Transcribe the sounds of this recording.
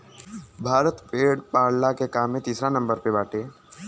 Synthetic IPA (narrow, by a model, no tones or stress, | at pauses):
bʱaːɾət̪peːɽpaːɾɽlakekaːmːẽt̪iːsɾanɐ̃mbəɾpebaːʈeː